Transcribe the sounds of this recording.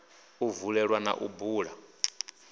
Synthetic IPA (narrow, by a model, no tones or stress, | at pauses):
uvuɺɛɺwana̰ʔṵbuːɺa